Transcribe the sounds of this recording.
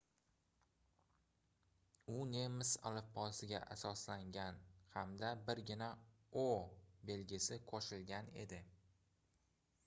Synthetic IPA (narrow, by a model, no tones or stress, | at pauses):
ʊne̞mɪsa̰lˠɪfpʰːɒsɪɡʲaʔasɒslaŋɡʲanhamd̪abɪɾɡʲɪna | obe̞lɡʲɪsɪqʰoʃɪlɡʲane̞̰d̪ɪ